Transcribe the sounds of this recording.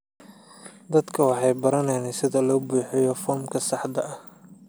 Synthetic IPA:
d̪ɐd̪kʰɐwɑħɑjbɐɾɐnɛjnɛsɪðɐlɔːbuːħɛjɔfɔːmkʰɐsɑħd̪ɐʔɐ

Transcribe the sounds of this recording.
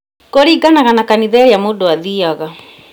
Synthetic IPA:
kɔɾiɡanaɣanakaniðɛɾijamodʊwaðiaɣa

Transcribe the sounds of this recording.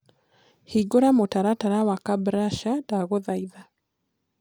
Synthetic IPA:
hiɡoɾamotaɾataɾawakabɾaʃadaɣoðaiða

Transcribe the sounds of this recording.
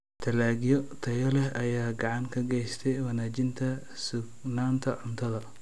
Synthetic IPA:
t̪ʰɐlaːɡjɔt̪ʰɐjɔlɛɦɐjaːɡɑʕɑŋkʰɐɡɛjst̪ʰɛjwɑnaːt͡ʃɪnt̪ʰɐ | sʊɡnaːnt̪ʰɐʕʊnt̪ʰɐðɐ

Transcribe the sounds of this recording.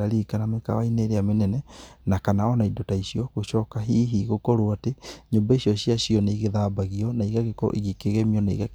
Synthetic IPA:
aɾikanameka̰waineːɾeamenɛnɛnakanaɔnaidotaisiɔɣoɕɔːkaɦiːɦiɣokɔɾuateɲoːmbaisiɔɕiaɕiɔneiɣeðaːbaɣiɔnaiɣaɣekɔ̰ʔḭɣikeɣɛmiɔnaḭɣa

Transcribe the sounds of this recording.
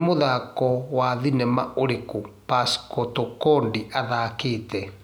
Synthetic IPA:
moðakɔwaðinɛma̰ʔoɾekopaskɔtokɔndiʔaðakeːtɛ

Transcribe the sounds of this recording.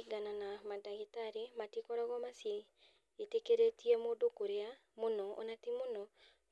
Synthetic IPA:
ɡananamadaɣitaɾematikɔɾaɣɔmasje | etekeɾetiɛmoːndokoɾea | monɔo̰natimonɔ

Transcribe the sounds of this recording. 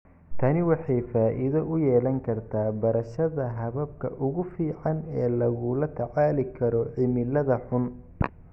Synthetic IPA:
t̪ʰɐnɪwɑħɑjfaːʔɪðɐʔʊjɛːlɐŋkʰɐrt̪ʰaːbɐɾɐʃɐðɐɦɐβɐb̚kʰɐʔʊɣʊfiːʕɑnɛːlɐɣʊlɐt̪ʰɐʕɑːlɪkʰɐɾɔʕɪmɪlɐðɐħʊn

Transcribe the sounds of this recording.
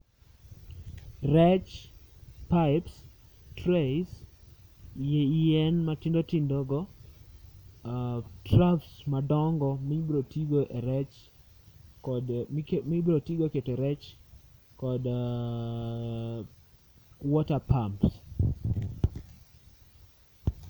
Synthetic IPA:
rɛt͡ʃ | paɪps | tɾes | jeiɛnmatɪndotɪndɔɡɔ | trafsmadɔŋɡɔmɪbɾotiɡoʔeɾɛt͡ʃ | kdkmɪbɾotiɡoketeɾɛt͡ʃ | kɔd | wɔtapʰamps

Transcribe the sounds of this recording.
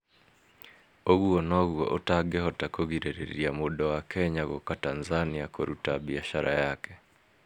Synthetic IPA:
oɣuonoɣwɔ̰ʔotaɡehɔtakoɣiɾeɾḛiamudawakʰɛɲaɣokatanzaniakoɾutaβiaʃaɾa̰jaːke

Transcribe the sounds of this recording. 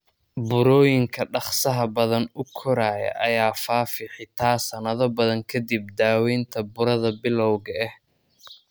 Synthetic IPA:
bʊɾɔːjɪŋkʰɐɖɑχsɐɦɐbɐðɐnʊkʰɔɾaːjɐ̰ʔɐjaːfaːfɪħɪt̪ʰaːsɐnɐðɐbɐðɐŋkʰɐd̪ib̚d̪aːwɛjnt̪ʰɐbʊɾɐðɐbɪlɔwɣɐɛh

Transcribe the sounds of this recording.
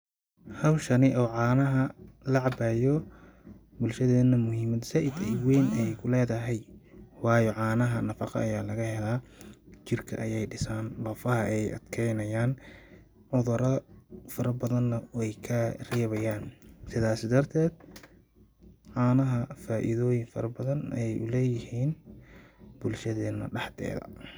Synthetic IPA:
hɐwʃɐnɪʔɔːʕɑːnɐɦɐlɐʕɑbɛːjɔ | bʊlʃɐðɛːnɐmʊhɪmɐd̪sɐʔɪd̪ɛjwɛjnɛjkʰʊlɛːðɐɦɛjwɑːjɔʕɑːnɐɦɐnɐfɑqɑ̰ʔɐjaːlɐɣɐhɛlaːt͡ʃɪrkʰɐ̰ʔɐjɛjɖɪsaːnbɐfɐɦɐʔɛjʔɐ̰d̪̥kʰɛjnɐjaːn | ʕʊðʊɾɐfɐɾɐbɐðɐnːɐwɛjkʰɐrɛːβɐjaːnsɪðaːsɪd̪ɐrt̪ʰɛːd̪̚ | ʕɑːnɐɦɐfaːʔɪ̰ðɔːjɪŋfɐ̰ɾɐbɐðɐnɛjʔʊ̰lɛːjɪhiːn | b̥ʊlʃɐðɛːnːɐ̰ɖɑħt̪ʰɛ̰ːðɐ̰

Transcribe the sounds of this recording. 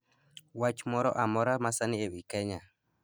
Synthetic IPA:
wat͡ʃmɔɾɔ̰ʔamɔɾamasanɪewikɛɲa

